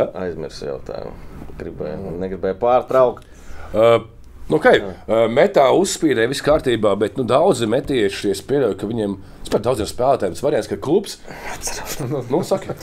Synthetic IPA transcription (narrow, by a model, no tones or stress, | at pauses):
a̰jzmḭɾsja̰ʊt̪a̰ːjṵmɡɾibɛ̰jnɛɡɾibɛjpaːɾt̪ɾawkt̪ː | nukajmɛt̪aːusspiːɾɛːjʋiskaːɾt̪iːbaːbɛt̪nud̪awd̪zɨmɛt̪ʲiɛʃiespʲiɛlʲɛjkɐʋʲiɲeɛm | spaɾt̪̚d̪awd̪zʲiemspæːlˠaːt̪aːjɛmsʋaɾiɛnskad̪klˠupsat̪sɾanusak